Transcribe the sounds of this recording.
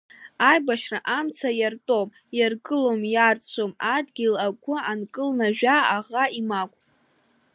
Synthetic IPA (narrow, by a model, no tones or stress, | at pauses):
ajbaʃraʔamt͡sʰajartʼom | jarɡʼɨlo̞mjart͡sʷʰomadɡʲilakʷʰʊankʼɨlnaʒᶣaaʁaimakʷʼ